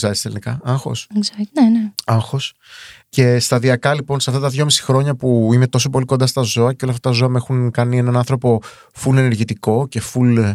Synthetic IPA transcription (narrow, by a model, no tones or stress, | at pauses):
eɾist̪elinikɐɐŋxo̞̰sɡzɐneneɐŋxo̞s | ce̞st̪ɐðiɐkɐlipo̞nsɐft̪ɐt̪ɐðʝo̞misi̥xɾo̞ɲɐpuime̞t̪o̞s̬o̞po̞liko̞nd̪ɐst̪ɐzo̞ɐcelɐft̪ɐt̪ɐzo̞ɐmexunkɐnie̞nɐnɐnθɾo̞po̞ | fule̞ne̞ɾʝit̪iko̞ce̞ful